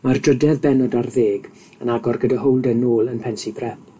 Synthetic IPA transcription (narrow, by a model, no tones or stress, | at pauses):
mardrədɛðbɛnɔdarveːɡ | ənaɡɔrɡədaɦowlˠdənoːlˠənpʰɛnsibʰrɛp̚